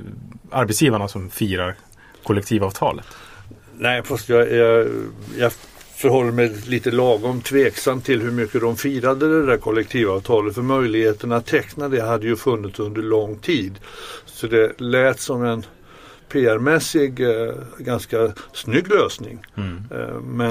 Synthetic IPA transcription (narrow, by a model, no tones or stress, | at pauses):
aɾbɛt̪sjiːvaɳasɔmfiːɾaɾ | kʰɔlɛkt̪ʰiːvɑːvt̪ʰɑ̰ːlə̰t̪ | nɛɪfast̪jɑjɑjɑ | fœɾɦɔlːamɛliːt̪əlɑːɡɔmt̪ʰveːksamt̪ʰːɪlhɵɾmʏkːəd̪ɔmfiːɾad̪əd̪ɛd̪æɾkʰɔlːɛk̚t̪ʰiːvɑːvt̪ʰɑːlət̪fœɾmœjlɪɡheːt̪əɳat̪ʰːɛknad̪ɛɦad̪ːəjɵfɵnːɪt̪sɵnd̪əɭɔŋːt̪ʰiːd̪sɔd̪ɛlɛːt̪sɔmɛn | pʰeːæɾmɛsɪɡɡanskasnʏɡːløːsnɪ̰ŋ | mɛ